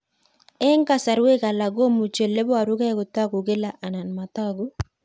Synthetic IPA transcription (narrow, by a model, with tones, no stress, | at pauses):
ɛ˦ŋ˦ka˨sa˨ɾwe˦ka˨la˨ɡo˦mu˨t͡ʃe˨lːe˦bɔ˦a˨ɾu˦ɡɛ˦ɡʊ˨ta˦ɡu˨ɡe˦la˨ʔa˨na˨nma˨ta˦ɡu˦